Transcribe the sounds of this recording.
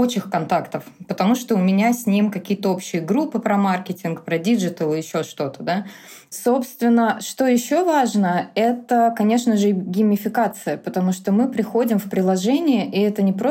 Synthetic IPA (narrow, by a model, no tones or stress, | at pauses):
ot͡ɕɪxkɐnt̪akt̪əfpət̪ɐmuʂt̪oʊmʲɪnʲasʲnʲimkɐkʲijət̪əo̞pɕːɪjəɡɾupːɨpɾɐmarkʲɪtʲɪnkpɾɐdʲiʐɨt̪əlˠɨjɪɕːoʂt̪o̞t̪əd̪a | so̞pst̪vʲɪnːəʂt̪o̞jɪɕːo̞vaʐnəɛt̪əkɐnʲe̞ʂnəʐɨɡʲɪmʲːɪfʲɪkat̪sɨjəpət̪ɐmuʂt̪o̞mɨpɾʲɪxo̞dʲɪmfpɾʲɪlˠɐʐɛnʲɪjəʔiɛt̪ənʲɪpɾo